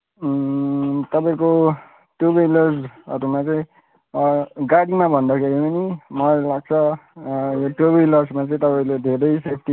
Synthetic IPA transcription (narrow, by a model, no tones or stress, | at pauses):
t̪ʌpaĩko | ʈubʌjlʌrd͡zʌ̰ɾumat͡sʌĩ | ɡaɽimabʱʌnd̪akʰeɾipʌnimʌlaɡ̚t͡sʰʌ | joʈobʌjlʌd͡zmat͡sʌ̃ĩt̪ʌpaĩled̪ʱeɾʌjsep̚ʰt̪i